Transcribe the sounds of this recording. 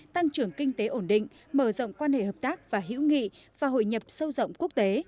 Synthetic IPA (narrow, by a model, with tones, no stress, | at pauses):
t̪a˧ŋt͡ɕɨ˨˩əŋkï˧ŋ̟t̪e˨˦ʔo˧˩nɗḭ̈˧˨ŋ̟ | məː˧˩zə̰˧˨wŋ͡mkwaː˧nhḛ˧˨ɦəː˨˩p̚t̪aː˦˥k̚vaː˨˩ɦḭ˧˥wŋḭ˧˨ | vaː˨˩ɦo̰˧˨jɲə˨˩p̚sə˧wzə̰˧˨wŋ͡mku˦˥ək̚t̪e˨˦